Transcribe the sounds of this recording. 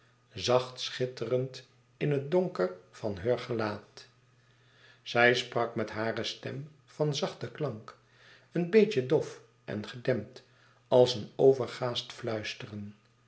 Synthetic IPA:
zɑχtsχɪtərənt | ɪnət̚doŋkəɹv̥ɑnɦəːɹχəlaːt | z̥ɛjsprɑkmɛtɦaːrəstɛm | v̥ɑnzɑχtəklɑŋk | ənbejcədɔf | ʔɛ̰nχədɛmt | ɑlˠsənowvəɹχaːstflœɥstərən

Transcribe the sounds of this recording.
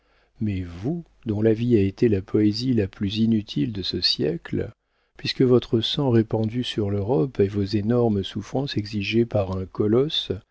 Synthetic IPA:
mɛvu | d̪ɔ̃laviaet̪elapʰɔezilaplyzinyt̪ʰild̪əsəsjɛ̰kl | pɥiskəvɔt̪χəsɑ̃ʁepɑ̃d̪ysyʁløʁɔpevozenɔʁmsufχɑ̃sɛɡziʒepaʁɛ̃kɔlɔs

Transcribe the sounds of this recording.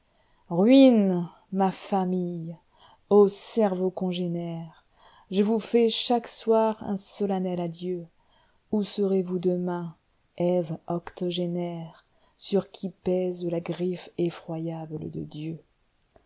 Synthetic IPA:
ʁɥin | mafamij | osɛʁvokɔ̃ʒenɛʁ | ʒəvufɛʃakswaʁɛ̰̃sɔlanɛlad̪jø | usəʁevud̪əmɛ̃ | ɛvɔkt̪ɔʒenɛʁ | syʁkʲʰipɛzlaɡʁifefχwajablə̰d̪ə̰d̪jø

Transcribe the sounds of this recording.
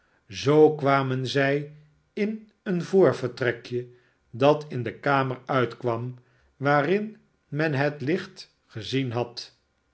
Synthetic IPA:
zowkʋaːmənzɛj | ɪn | ənvoːɹvəɹtrɛkjə | dɑtʰɪndəkaːməɹœɥtkʋɑm | ʋaːrɪn | mɛnɦətlɪχt | χəzinɦɑt

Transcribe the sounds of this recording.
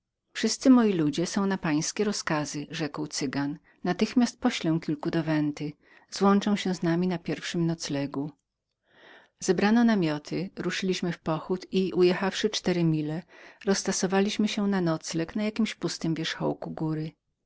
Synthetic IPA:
fʂɘst̪sɘmɔjilud͡ʑɛsɔ̃w̃napaj̃skʲɛɾɔskazɘʐɛkwt̪sɘɡanː | at̪ɘxmʲast̪̚pɔɕlɛw̃kʲilkud̪ɔvɛnt̪ɘ | zwɔnt͡ʂɛ̃w̃ɕɛ̃znamʲinapʲjɛɾfʂɘmnɔt̪slɛɡu | z̥ɛbɾanɔnamʲjɔt̪ʰɘɾuʂɘlʲiɕmɘfpɔxut̪iʔujɛxafʂɘt͡ʂt̪ɛɾɘmʲilɛɾɔsːt̪ɔsɔvalʲiɕmɘɕɛnanɔt̪slɛknajakʲimɕpust̪ɘmvʲjɛʂxɔ̰wkuɡuɾɘ

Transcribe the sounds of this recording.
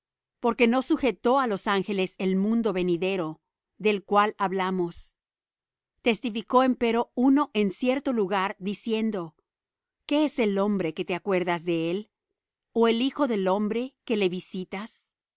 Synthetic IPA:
po̞ɾke̞no̞suxe̞t̪o̞alo̞saŋxe̞le̞se̞lmũnd̪o̞βe̞niðe̞ɾo̞ | ðe̞lkwalaβlamo̞s | t̪e̞st̪ifiko̞e̞mpe̞ɾo̞uno̞ʔe̞nsje̞ɾt̪o̞luɣaɾd̪isje̞nd̪o̞ | ke̞ese̞lo̞mbɾe̞ket̪e̞akwe̞ɾðazðe̞el | oe̞lixo̞ðe̞lo̞mbɾe̞ke̞le̞βisit̪as

